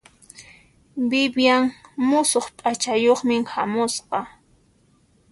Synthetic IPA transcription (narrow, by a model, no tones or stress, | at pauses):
bɪbjaŋmʊsoχpʼat͡ʃajoχmɪŋhamʊsqɑ